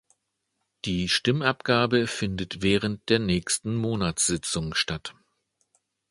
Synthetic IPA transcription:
d̥iːʃtɪmapɡ̥aːbəfɪndətv̥ɛːʁ̞ənt̚d̥eːɐnɛːçstn̩moːnat͡sz̥ɪt͡sʊŋʃtat

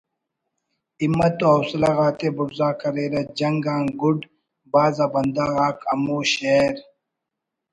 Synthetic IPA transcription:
imːɐt̪oɐwslaɣaːt̪ebʊɾzaːkɐɾeːɾɐd͡ʑɐŋɡãːŋɡuɖ | baːzaːbɐnd̪aɣaːkɐmoːɕeɾ

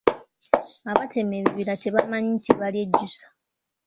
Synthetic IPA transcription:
aβatʰemeβiβilateβamaɲitʰiβaljedːusḁ

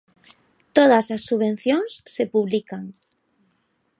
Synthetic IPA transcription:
t̪oð̞asasːuβen̟θjoŋsːepuβlikaŋ

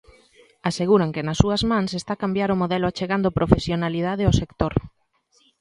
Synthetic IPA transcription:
aseɣuɾaŋkɪnɐsːuɐzmãŋsest̪akambjaɾʊmoðɛlʊat͡ʃeɣand̪ʊpɾofesjonalið̞aðeosekt̪oɾ

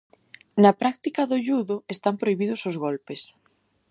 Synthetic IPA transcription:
nɐpɾak̚t̪ikɐðʊʎuðʊest̪ampɾoiβiðʊsʊzɣolpes

